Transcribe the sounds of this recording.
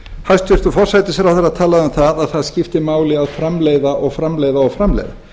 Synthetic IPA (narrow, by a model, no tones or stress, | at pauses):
hast̪ʏɾ̥t̪ufɔr̥sajt̪ɪsɾawθɛɾːat̪ʰaːlaðamθaðaðθaðscɪft̪ɪmaːwlɪaðfɾamleːjðaʔɔɣfɾamleːjðaɔɣfɾamlɛ̰jða